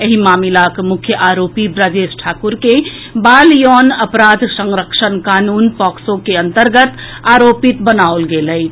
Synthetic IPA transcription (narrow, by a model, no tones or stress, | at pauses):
eɦimaːmilakmʊkʰjəʔaɾoːpibɾəd͡ʒesʈʰaːkuɾke | baːljɔnəpɾaːd̪ʱsəŋɾəkʃənkaːnuːnpɔksõkeənt̪əɾɡət̪ | aɾopit̪bənaolɡeləi